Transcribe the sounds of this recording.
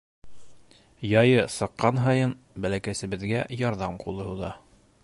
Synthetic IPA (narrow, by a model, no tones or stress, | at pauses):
jɑjɤsɤ̆qːɑnɦɑjɤn | bælækæsɘ̆βɘ̆ðɡæjɑɾðɑmqulˠɤ̆ɦuðɑ